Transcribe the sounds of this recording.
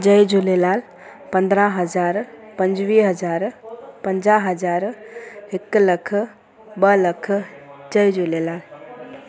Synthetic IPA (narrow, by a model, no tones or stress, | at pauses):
d͡ʒəjd͡ʒulelal | pə̃nd̪ɾaɦəd͡ʒaɾpənd͡ʒʋiɦəd͡ʒaɾpənd͡ʒaɦəd͡ʒaɾekːləkʰ | bələkʰd͡ʒəjd͡ʒulelal